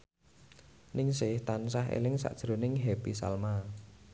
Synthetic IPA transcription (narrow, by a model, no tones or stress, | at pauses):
nɪŋsɪht̪ansaɦḛlɪŋsa̰ʔd̥ʒ̥ɾo̤nɪŋɦepisa̰lma